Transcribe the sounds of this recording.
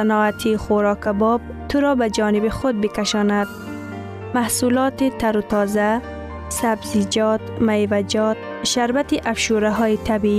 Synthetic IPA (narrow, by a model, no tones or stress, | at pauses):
anɔːat̪ʰixʊɾɑːkabɔb̚ | t̪ʰʊɾɔbad͡ʒɒnɪbixʊd̪̚bɪkaʃɔnad̪̚ | mahsulɔt̪it̪aɾut̪ɔza | sabzid͡ʒɔt̪majvad͡ʒɔt̪̚ | ʃaɾbat̪iʔafʃuɾaɦɔːjit̪ʰabii